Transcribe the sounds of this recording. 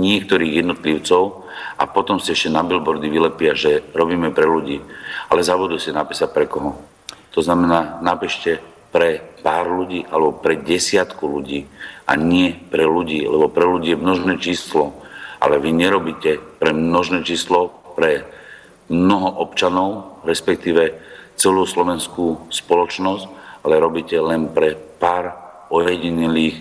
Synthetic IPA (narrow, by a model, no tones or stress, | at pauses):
ɲɪɛk̚t̪ɔɾiːɣjɛd̪nɔt̪liʊt͡sɔʊ | a̰pɔt̪ɔmsiɛʃcɛnabilbɔɾd̪iʋilɛpɪaʒɛɾɔbiːmɛpɾɛluɟiːa̰lɛzabud̪usɛnapɛsacpɾɛkɔɦɔ | t̪ɔznamɛnaːnapɛʃcɛ | pɾɛpaːɾluɟiːʔalɛbɔpɾɛɟɛsɪat̪kuluɟiːʔa̰ɲɪɛpɾɛluɟiːlɛ̰bɔpɾɛluɟiːɛmnɔʒnɛːt͡ʃiːslɔʔa̰lɛʋiɲɛɾɔbiːcɛpɾɛmnɔʒnɛːt͡ʃiːslɔ | pɾɛ | mnɔɦɔʔɔpt͡ʃanɔʊɾɛspɛk̚t̪iːʋɛt͡sɛluːslɔʋɛnskuːspɔlɔt͡ʃnɔscalɛɾɔbiːcɛlɛnpɾɛpaːɾ | ɔjjɛɟiɲɛliːx